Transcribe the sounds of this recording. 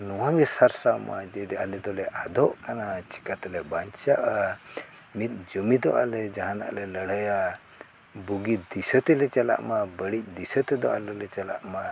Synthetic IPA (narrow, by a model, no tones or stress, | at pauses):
nɔwãɡɛsaɾsamʔa̰d͡ʒɛjd̪ɛalɛd̪ɔlɛʔad̪ɔʔkanat͡ʃi̥kat̪lɛbaɲt͡ʃaʔa | mit̪̚d͡ʒəmid̪ɔ̰ʔa̰lɛd͡ʒaɦãna̰ʔlɛləɽ̤əja | buɡid̪isət̪ɛlɛt͡ʃɛla̰ʔmabəɽic̚ˀd̪isət̪ɛd̪ɔʔa̰lɛlɛt͡ʃɛla̰ʔma